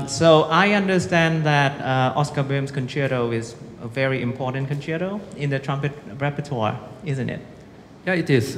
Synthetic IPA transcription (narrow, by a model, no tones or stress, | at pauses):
soʊʔaɪʌ̃ndəstæ̃nðætʌɔ̰skəbɪmskʰə̃nt͡ʃʰiɾoʊɪzəvɛɹiʔɪ̃mpʰɔtə̃nkʰə̃nt͡ʃʰiɾoʊɪ̃nðətʰɹ̥ãmpɨt̚ɹɛpətʰɔ̰ɪzə̃ntɪ̰t̚ | jaɪtɪz